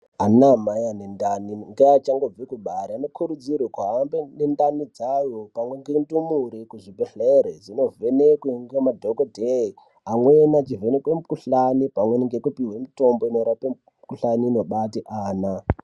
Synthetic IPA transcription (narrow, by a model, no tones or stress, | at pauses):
anamajanendaniŋɡeat͡ʃaŋɡo̞b͡vikuɓaɾianokʰuɾud͡zirwekaːmbenendanid͡zajopamwe̞ŋɡendumuɾikuʐibeɬeɾed͡zino̞ve̞nekweŋɡemadʱokodʱei | amwenat͡ʃive̞nekwemukuɬanipamwenŋɡekupiwemito̞mbo̞inoɾape | kuɬaniːno̞ɓatiʔaːna